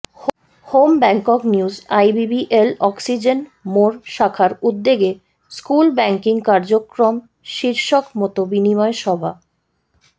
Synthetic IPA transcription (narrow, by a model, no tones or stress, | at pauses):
h | hombɛŋkɔkniuzajbibiʔelɔksid͡ʑenmoɾʃakʰaɾud̪ːeɡe | skulbɛŋkiŋkaɾd͡ʑokɾom | ʃiɾʃokmɔt̪obinimɔeʃɔbʱa